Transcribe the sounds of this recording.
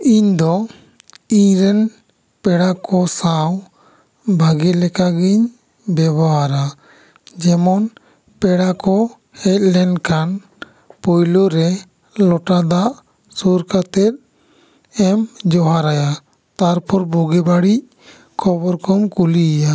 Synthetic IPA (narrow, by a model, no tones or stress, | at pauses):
iɲd̪ɔ | iɲɾɛn | pɛɽakʰɔsaw | bʱaɡɛlɛkaɡiɲ | bɛbʱawaɾa | d͡ʒɛmɔn | pɛɽakɔ | hɛt̪̚lɛnɖkan | pɔjloɾɛ | lɔʈad̪aʔ | suɾkat̪ɛt̪̚ | ɛmd͡ʒɔɦaɾaja | t̪aɾpʰɔɾbuɡɛbaɽic̚ | kʰɔbɔɾkʰɔmkulija